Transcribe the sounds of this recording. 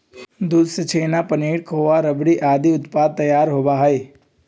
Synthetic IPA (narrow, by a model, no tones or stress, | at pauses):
d̪ud̪sət͡ʃʰeːnapəniːɽkʰoːʋaɾəbɽiʔaːd̪iʊt̪paːd̪̚t̪ːɐjaːɾɦoːbaɦɛe